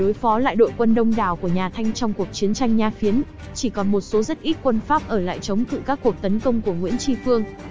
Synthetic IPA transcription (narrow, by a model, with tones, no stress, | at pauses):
ɗo˨˦jfɔ˨˦la̰ː˧˨jɗo̰˧˨jkwə˧nɗə˧wŋ͡mɗaː˧˩wku˧˩əɲaː˨˩t̪ʰa˧jŋ̟t͡ɕɔ˧wŋ͡mku˨˩ək̚t͡ɕi˨˦ənt͡ɕa˧jŋ̟ɲaː˧˩fi˨˦ən | t͡ɕi˧˩kɔ˨˩nmo˨˩t̚so˨˦zə˦˥t̚ʔi˦˥t̚kwə˧nfaː˦˥p̚ʔəː˧˩la̰ː˧˨jt͡ɕə˨˦wŋ͡mt̪ɨ̰˧˩kaː˦˥k̚ho˨˩p̚t̪ə˨˦nkə˧wŋ͡mku˧˩əŋwḭ˧˥ənt͡ɕi˧fɨ˧əŋ